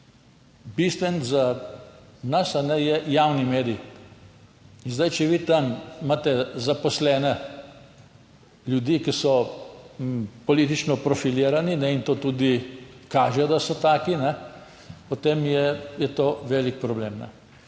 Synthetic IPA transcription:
bist̪ʋɛnza | nɐsanɛjɛjawnimeːɾij | inzd̪ajt͡ʃɛʋiːt̪amːat̪ɛzapɔslɛːnɛ | ljud̪iːkisɔ | pɔliːt̪it͡ʃnɔpɾɔfiliːɾaninɛint̪oːt̪uːd̪ikaːʒɛjd̪asɔt̪aːkinɛ | pot̪emjɛjɛt̪oːʋɛlik̚pɾɔbleːmnɛ̰

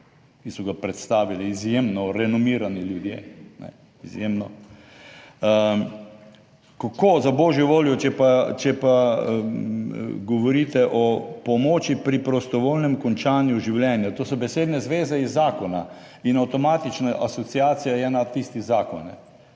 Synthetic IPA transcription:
kisɔɡapɾɛt̪st̪aːʋiliːzjemnɔɾɛnɔmiːɾaniljud̪jḛnɛ̰ | izjemnɔ | kakoːzabɔːʒjɔʋoːljɔt͡ʃɛpat͡ʃɛpa | ɡɔʋɔɾiːt̪ɛʔɔpɔmoːt͡ʃipɾipɾɔst̪ɔʋoːlnɛmkɔnt͡ʃaːnjuʒiwljɛːnjat̪oːsɔbɛseːd̪nɛzʋeːzɛizːaːkɔna | inawt̪ɔmat̪it͡ʃnaʔasɔt̪siaːt̪sijajɛnat̪ist̪izaːkɔnnɛ̰

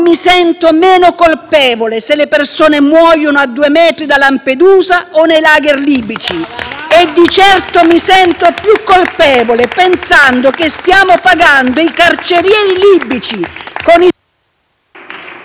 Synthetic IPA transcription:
misɛnt̪omɛːnʊkolpɛːvoleselːɪpersoːnemwɔːjonʊad̪ːuːemɛːt̪ɾid̪alamped̪uːzaonejlaːɡerliːbit͡ʃied̪ːit͡ʃɛrt̪omisɛnt̪opjukːolpɛːvolepensand̪ʊkest̪jaːmʊpaɡand̪oikart͡ʃeɾjɛːɾiliːbit͡ʃikoni

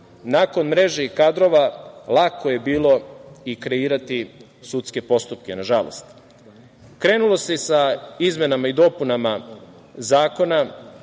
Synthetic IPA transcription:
nako̞nmɾe̞ʒeikad̪ɾo̞ʋalˠakʰo̞je̞biːlˠo̞ikɾe̞iːɾat̪i | sut̪ske̞po̞st̪up̚kenaʒalo̰st̪ | kɾe̞nulˠo̞se̞saizme̞namaid̪o̞punama | zaːko̞na

